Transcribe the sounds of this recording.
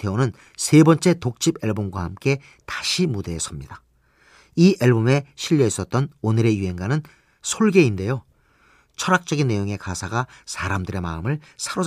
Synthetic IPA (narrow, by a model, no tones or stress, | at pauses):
te̞onɯn | sʰe̞bʌnt͡ɕ͈e̞tok̚t͡ɕ͈ibeɭbomɡwahamk͈e̞ | tḁɕʰimude̞ːsʌmɲid̥a | iʔeɭbome̞ɕʰiʎːjʌis͈ʌt̚t͈ʌnonɯɾe̞juɦe̞nɡanɯn | sʰoɭɡe̞inde̞jo | t͡ɕʰʌɾak̚t͡ɕ͈ʌɡinːe̞joŋe̞kasʰaɡasʰaɾamdɯɾe̞ma̰ɯmɯɭsʰaɾo